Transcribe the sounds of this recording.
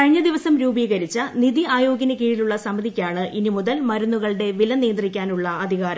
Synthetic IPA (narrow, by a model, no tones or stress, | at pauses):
ɐɻiɲːɐd̪iʋɐsɐmɾuːbiːɣɐɾit͡ɕːɐniðiaːjoːɡinɐkiːɻiluɭːɐsɐmɐðʱikʲːaːɳɨʔinimuðɐlmɐɾunːuɣɐɭɽe̞ʋilɐniːɐnd̪rikʲːaːnuɭːɐɐd̪ʱiɣaːɾɐ